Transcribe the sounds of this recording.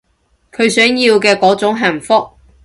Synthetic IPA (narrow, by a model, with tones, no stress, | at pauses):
kʰɵ˨˧ɥsœː˨˥ŋjiː˧wkɛː˧kɔː˨˥t͡sʊ˨˥ŋɦɐ˨˩nfʊ˥k̚